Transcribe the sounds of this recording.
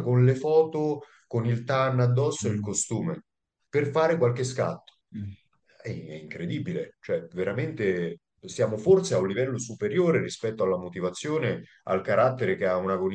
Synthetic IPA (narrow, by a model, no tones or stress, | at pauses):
konlefɔːt̪o | konilt̪anːad̪ːɔsːoilkost̪uːme | perfaːɾekwalkeska̰t̪ːo̥ | ɛɛiŋkɾed̪iːbilet͡ʃoɛveɾament̪e | sjaːmofort̪seaunlivɛlːosupeɾjoːɾeɾispɛt̪ːoalːamot̪ivat̪sːjoːne | a̰lkaɾat̪ːeɾekeaunakon